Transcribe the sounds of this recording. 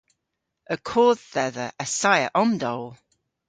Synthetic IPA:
əkʰoːðɛðəʔəsajəʔɔmdɔlˠ

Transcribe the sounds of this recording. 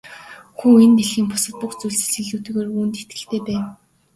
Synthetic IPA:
xuːent̪eɮxiːmpʊsə̆t̪̚puxt͡sujɮsɘ̥̆ɮĭɮuːt̪ɘ̆ɣeːruːnt̪et̪ɡɘ̆ɬt̪ʰeːpæːn

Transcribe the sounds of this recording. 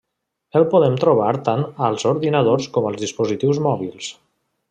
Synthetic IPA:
əlˠpuðɛmt̪ɾuβ̞aɾt̪anəlˠzuɾðinəð̞oɾskɔməlˠzðispuzit̪iwzmɔβilˠs

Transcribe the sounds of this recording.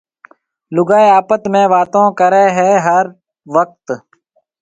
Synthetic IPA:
lʊɡaːeaːpət̪mẽːʋaːt̪õːkəɾeːɦɛːɦəɾ | ʋək̚t̪

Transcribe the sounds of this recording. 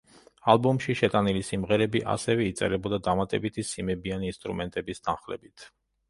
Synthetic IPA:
alˠbumʃiʃɛt̪ʼanilisimʁɛɾɛbiʔa̰sɛvɛit̪sʼɛ̰ɾɛbɔd̪ad̪amat̪ʼɛbit̪ʰisimɛbianiːnst̪ʼɾṵmɛnt̪ʼɛbist̪ʰanχlɛ̰bit̪ʰ

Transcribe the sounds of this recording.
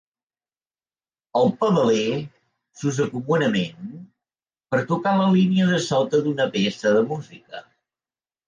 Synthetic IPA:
əlˠpəβəlɛ | suzəkumunəmen | pəɾt̪ukaləliniəðəsɔt̪əðunəpesəðəmuzikə

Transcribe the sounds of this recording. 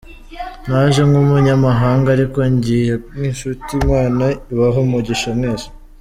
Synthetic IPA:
naʒe̞ŋɡumuɲamaɦaːŋɡaɾiko̞ɲɟijeniʃutimŋaːnaiβaɦomuɟiʃamneːzḁ

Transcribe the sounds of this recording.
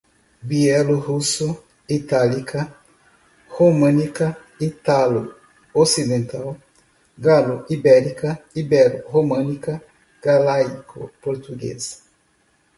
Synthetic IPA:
biɛluhuso | it̪alikʰa | homãnika | it̪alo | osid̪ẽnt̪aw | ɡaluʔibɛɾikaibɛluhomãnika | ɡ̥alajkʰopoɾt̪uɡḛz

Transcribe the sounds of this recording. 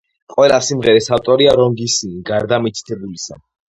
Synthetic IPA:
qʼwɛlasimʁɛɾisaft̪ʼɔɾiaɾɔŋɡisiniɡaɾd̪amit̪sʰi̥t̪ʰɛbulisa̰

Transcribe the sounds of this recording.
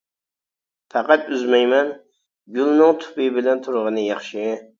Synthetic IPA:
t̪ʰɑqæt̪yzmɛjmɛn | ɡʲylˠnɨŋt̪ʰʊ̥pɨbɪlɛnt̪ʰʊɾʁənɨjɑχʃɪ

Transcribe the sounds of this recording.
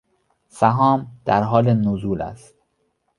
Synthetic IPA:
sæɦɒːmd̪̥æɾɦɒːlenozuːlæ̰st̪̚

